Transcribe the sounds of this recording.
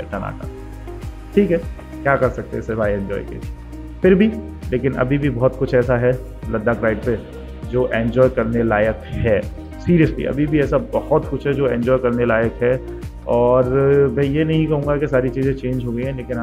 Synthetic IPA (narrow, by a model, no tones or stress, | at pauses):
ɛʈ̪ana̰ːka̰ | ʈʰiːkɦɛ | kjaːkɐɾsɐk̚t̪eɪsebʱaːiɛ̃ːɲd͡ʒɔ̰ːjkḛd͡ʒi | fɪɾbʱi | leːkɪnʔɐ̰bʱibʱibɔɦʊt̪kʊt͡ʃʰɛːsaɦɛ | lɐd̪ːakɾaːɪɖ̚pe | d͡ʒoːʔɛ̃ːɲd͡ʒɔːjkɐɾnelaːjəkɦɛː | siːɾijəslḭʔɐ̰bʱibʱiɛːsabɐhɔt̪kʊt͡ʃʰɦɛd͡ʒoːɛ̃ːɲd͡ʒɔːjkɐɾnelaːjəkɦɛ | ɔːɾmɛ̃ːjenɐɦĩkɐɦũːŋɡakesaːɾit͡ʃiːzẽt͡ʃẽːnd͡ʒɦoːɡəĩɦɛ̃leːkɪ̃n